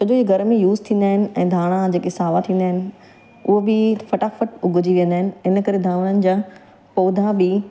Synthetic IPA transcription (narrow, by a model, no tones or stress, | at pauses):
t͡ɕɐd͡ʑoiːɡʱɐɾmẽjuːzt̪ʰĩːn̆d̪aːɦɪnɪ̆ɛ̃ːd̪ʱaːɽ̃ãd͡ʑeːkesaːʋat̪ʰĩːn̆d̪aːɦɪnɪ̆ | ʊɦobɪfɐʈaːfəʈʊɡʱʊd͡ʑiʋijə̃nd̪aːɦɪnɪ̆ɪnəkɐɾed̪ʱaːɽ̃ənɪ̆d͡ʑãː | poːd̪ʱãbɪ